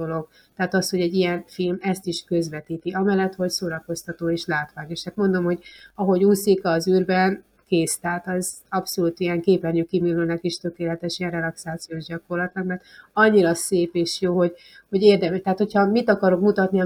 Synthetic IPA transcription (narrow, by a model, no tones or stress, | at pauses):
olo̞ɡ̚ | t̪ɛaːt̪ɒsho̞ɟɛɟːijɛɱfilmɛst̪iʃkø̞zʋɛt̪iːt̪iʔɒmɛlːɛt̪ho̞csoːɾɒko̞st̪ɒt̪oːeːʃlaːt̪ʋaːɡeːʃat̪mo̞nd̪o̞mho̞ɟɒɦo̞ɟuːsikɒːzyːrbɛn | keːst̪ɛɦat̪ɒzɒpso̞luːt̪ijɛŋkeːplɛrɲykːimilːøːnɛkiʃt̪ø̞keːlɛt̪ɛʃijɛnrɛlɒksaːt̪sijoːʒɟɒko̞rlɒt̪nɒkmɛrt̪ɒɲːiɾɒseːpeːʃjoːho̞ɟ | ho̞ɟeːrd̪ɛmɛʃt̪ɛaːt̪ho̞chɒmit̪ɒkɒɾo̞kmut̪ɒt̪niɒ